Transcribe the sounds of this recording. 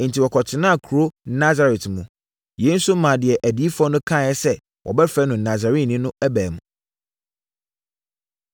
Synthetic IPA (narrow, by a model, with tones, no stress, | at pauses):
n̩tʰi˨wɔ˨kʰɔ˨t͡ɕʰɪ˨nã˦a˨kʰu˨ɾo˦na˦za˨ɾɛ˨tmũ˨ | jẽ˨˦n̩˦sʊ˦m̩˦mã˨dɪ˨ɛ˨ʔæ˨di˨˦i˦fɔ˦nʊ̃˦kʰã˦˨jɛ˦sɛ˦ | wʔɔ̰˨bɛ˦fɛ˦nʊ̃˨na˨za˨ɾi˦˨nɪ̃˦nʊ̃˦æ˦bæː˨mũ˨